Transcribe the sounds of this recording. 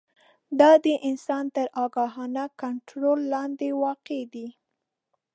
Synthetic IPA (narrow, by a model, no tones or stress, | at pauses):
d̪ɑd̪əʔɪnsɑnt̪əɾɑɡɑɦɑnakaɳʈɾolːɑnd̪ewɑqed̪i